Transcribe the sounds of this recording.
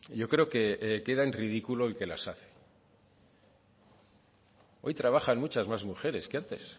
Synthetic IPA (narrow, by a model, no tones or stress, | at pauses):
ɟ͡ʝo̞kɾe̞oke̞ke̞ðaenriðikulo̞elke̞lasaθe̥ | o̞jt̪ɾaβ̞axanmut͡ʃazmazmuxe̞ɾe̞skeant̪e̞̰s